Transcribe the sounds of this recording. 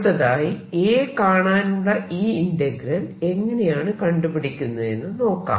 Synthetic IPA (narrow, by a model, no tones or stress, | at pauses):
ðɐðaːjieːkaːɳaːnuɽɐʔiːindɐɡɾɐne̞ŋːɐne̞jaːɳɨkɐɳɖupiɽikʲːunːɐðe̞nːɨno̞ːkːa̰ː